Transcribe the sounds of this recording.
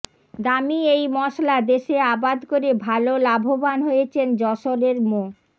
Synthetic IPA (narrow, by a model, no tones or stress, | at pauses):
d̪amiejmɔʃlad̪eʃeabad̪koɾebʱalolabʱobanɦojet͡ɕʰend͡ʑɔʃoɾeɾmo